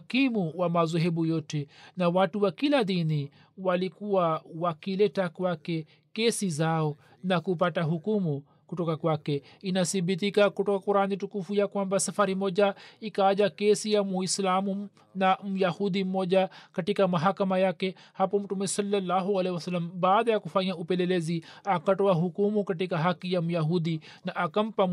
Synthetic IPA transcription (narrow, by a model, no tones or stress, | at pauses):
kimuwamazɔɦɛɓujɔtɛnawatuwakilaðini | walikuwawakilɛtakwakɛ | kɛsizaɔ | nakup̬ataɦukumu | kutɔkakwakɛ | inaθiɓit̬ikakutɔkakuɾanitukufujakwambasafaɾimɔʄaikaːd͡ʒakesijamuislaːmum | namjahud̪imoːd͡ʒakɐʈikamɐɦakɐmajake | hapomʈumesɐlːɐlːaːɦuɐlewɐsɐlːɐmbaːd̪jakufaijãupeleleːziakɐʈowaɦukumukɐʈ̬ikaɦakijamjaɦuːd̪i | nɐʔakɐmpam